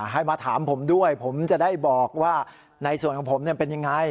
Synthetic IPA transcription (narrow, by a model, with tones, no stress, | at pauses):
ɦa˥˩jmaː˧t̪ʰaː˩˦mpʰo˩˦mdu˥˩əjpʰo˩˦mt͡ɕa˨˩daː˥˩jbɔː˨˩k̚waː˥˩ | na˧jsu˨˩ənkʰɔ˩˦ŋpʰo˩˦mni˥˩˨pe˧nja˧ŋːa˧j